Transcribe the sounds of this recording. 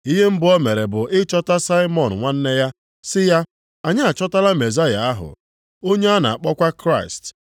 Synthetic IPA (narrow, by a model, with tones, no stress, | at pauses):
i˦ɦe˦m̩˦bʊ˦ɔ˦me˨ɾe˨bʊ˨ʔɪ˦t͡ʃɔ˦ta˦sa˦ɪ˦mɔ˨n̩˨ŋʷa˦n̩˦ne˦ja˦ | sɪ˦ja˦ | a˨ɲɪ˦a˨t͡ʃɔ˦ta˦la˦me˨za˦ja̰˨a˦ɦʊ̰˨ | o˦ɲe˦a˦na̰˨a˨k͡pɔ˦kʷa˦kɾa˦ɪ˨st